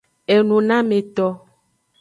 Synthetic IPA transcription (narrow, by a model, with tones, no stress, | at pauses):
e˨nũ˨nã˦me˨t̪ɔ˦